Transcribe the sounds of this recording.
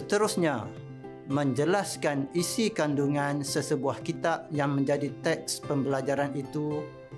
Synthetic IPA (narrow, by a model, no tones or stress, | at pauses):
sət̪əɾʊsɲa | mə̃ɲd͡ʒəlaskanisikanduŋãnsəsəbuahkit̪ap̚jaŋmə̃ɲd͡ʒadit̪ɛk̚spəmbəlad͡ʒaɾanit̪u